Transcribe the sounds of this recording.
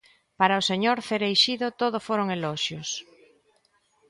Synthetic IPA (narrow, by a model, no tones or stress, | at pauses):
paɾaʊseɲoɾθeɾejʃiðʊt̪oð̞ʊfoɾoŋeloʃjos